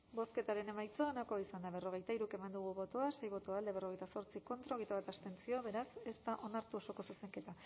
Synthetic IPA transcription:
bo̞ske̞t̪aɾe̞ne̞majt͡sonako̞aisand̪aβ̞e̞ro̞ɣ̞e̞jt̪aiɾuke̞mand̪uɣ̞uβo̞t̪oase̞jβo̞t̪oald̪eβ̞e̞ro̞ɣejt̪aso̞ɾt͡siko̞nt̪ɾao̞ɣejt̪aβat̪ast̪e̞nt͡sio̞βe̞ɾase̞st̪aʔo̞naɾt̪uoso̞ko̞suse̞ŋke̞t̪a

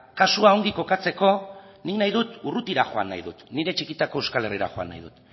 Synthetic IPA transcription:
kasuao̞ŋɡiko̞kat͡se̞ko̞niknajð̞ut̪urut̪iɾaxo̞a̰nːa̰jðut̪niɾe̞t͡ʃikit̪ako̞e̞wskale̞riɾa̰xo̞a̰nːa̰jðut̪

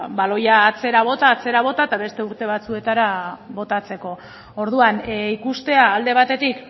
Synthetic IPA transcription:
balo̞jaːt͡se̞ɾaβ̞o̞t̪aːt͡se̞ɾaβ̞o̞t̪at̪aβe̞st̪e̞uɾt̪e̞β̞at͡sue̞t̪aɾaβo̞t̪at͡se̞ko̞ | o̞ɾðuanikust̪e̞aːld̪e̞β̞at̪e̞t̪ik

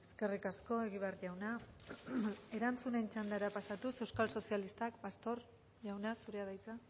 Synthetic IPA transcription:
e̞ske̞rikasko̞e̞ɣiβarʝawna | e̞ɾant͡sune̞nt͡ʃand̪aɾapasat̪use̞wskalso̞sialist̪akbast̪o̞ɾ | ʝawnasuɾe̞aðajt͡sa

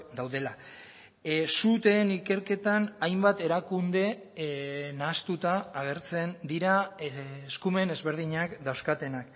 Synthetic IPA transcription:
d̪awðe̞la | sut̪e̞nike̞ɾke̞t̪anajmbat̪e̞ɾakund̪e̞ | nast̪ut̪aːɣ̞e̞ɾt͡se̞nd̪iɾa | skume̞ne̞zβe̞ɾð̞iɲakd̪awskat̪e̞nak

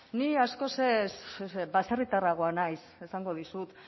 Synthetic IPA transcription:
niasko̞sesbaserit̪araɣ̞oanajse̞saŋɡo̞ð̞isut̪

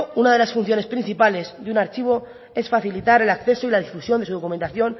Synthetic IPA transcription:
unað̞e̞lasfun̟θjo̞ne̞spɾin̟θipale̞zðeunaɾt͡ʃiβ̞o̞ | e̞sfaθilit̪aɾe̞lakθe̞so̞ilaðifusjond̪esuðo̞kument̪aθjo̞n

